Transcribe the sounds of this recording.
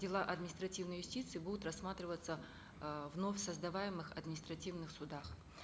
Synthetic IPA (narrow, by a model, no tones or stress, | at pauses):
dʲɪlˠaʔɐd̪mʲnʲɪst̪ɾɐtʲivnəjʊsʲtʲit̪sɨɪbud̪ʊt̪rɐsːmat̪ɾʲɪvət̪sə | vnofʲsəzd̪ɐvajɪmɨxɐd̪mʲnʲɪst̪ɾɐtʲivnɨxsʊd̪ax